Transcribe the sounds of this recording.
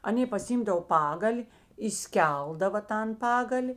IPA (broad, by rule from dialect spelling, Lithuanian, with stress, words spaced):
ɐˈnʲeː pɐsʲɪˈɪmdɐw ˈpɑːɡɐlʲɪ iːˈsʲkʲɛlˠdɐʋɐ ˈtɐn ˈpɑːɡɐlʲɪ